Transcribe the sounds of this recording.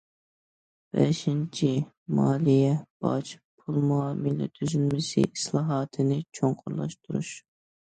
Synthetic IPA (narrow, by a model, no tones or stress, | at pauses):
b̥ɛʃint͡ʃʰi | mɑːlijɛb̥ɑ̰t͡ʃʰpʰulˠmuɑːmɨlɪ̰t̪ʰyzynmɪsɪ̰islˠɑːɦɑːt̪ʰɨnɪt͡ʃʰoŋqʰʊɾlˠɑ̰ʃt̪ʰuɾṵʃ